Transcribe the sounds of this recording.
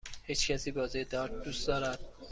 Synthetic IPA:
hiːt͡ʃcʲʰæsiːbɒːzied̪ɒːɾt̪̚d̪usd̪ɒːɾæd̪̥̚

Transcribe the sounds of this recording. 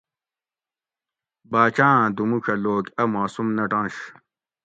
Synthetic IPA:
baːt͡ɕãːd̪umukʰɐloːkɐmaːsumnɐʈãːɕ

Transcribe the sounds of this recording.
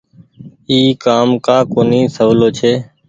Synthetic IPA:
iːkaːmkaːkoːniːsəʋloːt͡ʃʰeː

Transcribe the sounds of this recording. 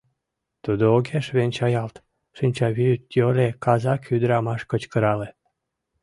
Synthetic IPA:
t̪ud̪ooɡeʃβenʲt͡ɕɑjɑlt̪ | ʃinʲt͡ɕɑβiyt̪jolʲekɑzɑkyd̪əɾɑmɑʃkət͡ɕkəɾɑle

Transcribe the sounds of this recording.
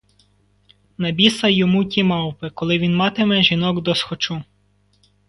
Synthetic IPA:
nɐbʲisɐjɔmutʲimɑwpɪkɔlˠɪʋʲinmɑt̪emɛʒinɔɡd̪ɔsxɔt͡ʃu

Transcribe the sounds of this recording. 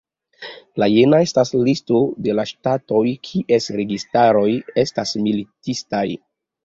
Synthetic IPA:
lajenae̞staslisto̞de̞laʃtato̞jkʰiʔe̞sɾe̞ɡistaɾo̞je̞stasmilitistaj

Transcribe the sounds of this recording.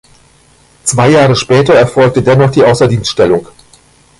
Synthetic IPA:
t͡sv̥aɪjaːʁəʃpɛːtɐɛɐfɔlk̚tədɛnɔχd̥iːʔaʊsɐdiːnstʃtɛlʊŋ

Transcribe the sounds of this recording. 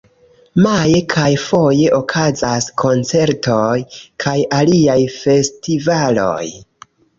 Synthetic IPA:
majekʰajfo̞je̞ʔokʰazaskʰo̞nt͡se̞ɾtʰo̞jkʰajaliajfe̞stivalo̞̰j

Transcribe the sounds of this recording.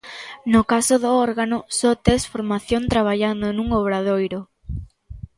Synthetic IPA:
nʊkasoðʊɔɾɣanʊsɔt̪esfoɾmaθjont̪ɾaβ̞aʎand̪onuŋoβɾaðojɾʊ

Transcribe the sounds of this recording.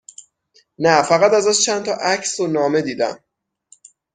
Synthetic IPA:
næfæɣæt̪æzæst͡ʃʰænt̪ʰɒʔæcʰsonɒːme̞d̪iːd̪æ̰m

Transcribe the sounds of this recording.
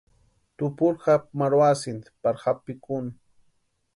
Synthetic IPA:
t̪ʊpʊɾxamaɾwasɪnt̪paɾxapːɪkʊn

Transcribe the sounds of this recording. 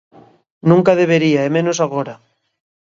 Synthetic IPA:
nũŋkaðeβ̞eɾiaemẽnosaɣ̞oɾa

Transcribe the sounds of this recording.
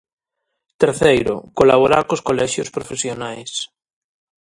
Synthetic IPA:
t̪eɾθejɾo̰kolaβ̞oɾaɾkoskolɛʃjospɾofesjonajs

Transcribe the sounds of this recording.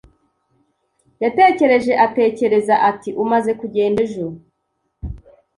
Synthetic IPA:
jate̞ːce̞ɾe̞ʒe̞ʔate̞ːce̞ɾe̞zaʔatiʔumaze̞kuɟe̞ːndeʒuɾu

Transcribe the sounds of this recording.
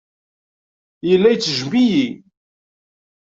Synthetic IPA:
jəlːæjt͡sːəʒmiji

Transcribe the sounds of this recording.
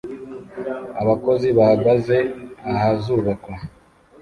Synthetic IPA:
aβako̞ziβahaɡaze̞ahazuβakwa

